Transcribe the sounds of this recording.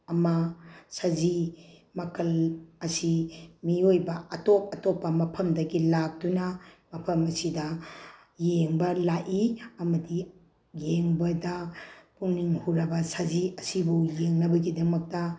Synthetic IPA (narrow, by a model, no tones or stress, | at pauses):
ɐmɐsɐzimɐkʰɐlɐsimiojbɐɐtop̚ɐtopːɐmɐpʰɐmdɐɡilak̚dunɐmɐpʰɐmɐsidɐ | jeŋbɐlaʔiɐmɐdi | jeŋbɐdɐpuŋniŋhuɾɐbɐsɐziɐsibujeŋnɐbɐɡidɐmɐk̚tɐ